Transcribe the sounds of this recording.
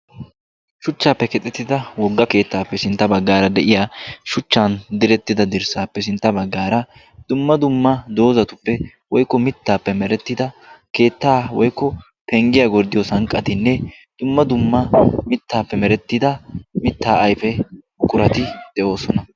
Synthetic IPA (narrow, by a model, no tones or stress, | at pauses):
ʃʊt͡ʃːaːpːɛkɛt̪ʼɛt̪ːɪd̪ɐwɔɡːɐke̞ːt̪ːaːpːɛsɪnt̪ːɐbɐɡːaːɾɐd̪ɛʔɪjaːʃʊt͡ʃːaːnd̪ɪɾɛt̪ːɪd̪ɐd̪ɪɾsaːpːɛsɪnt̪ːɐbɐɡːaːɾɐ | d̪̥ʊmːɐd̪ʊmːɐd̪o̞ːzɐt̪ʊpːɛ | wɔjkːɔmɪt̪ːaːpːɛmɛɾɛt̪ːɪd̪ɐke̞ːt̪ːaːwɔjkːɔ | pɛŋɡɪjɐɡɔɾd̪ɪjɔsɐŋkʼːɐt̪ɪnːɛ | d̪̥ʊmːɐd̪ʊmːɐmɪt̪ːaːpːɛmɛɾɛt̪ːɪd̪ɐmɪt̪ːaːʔɐjfɛ | kʼʊɾɐt̪ɪd̪̥ɛo̞ːsɔnɐ